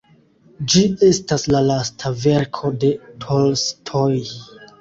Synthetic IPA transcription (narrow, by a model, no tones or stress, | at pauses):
d͡ʒie̞staslalastʰave̞ɾkʰo̞de̞tʰolstʰoj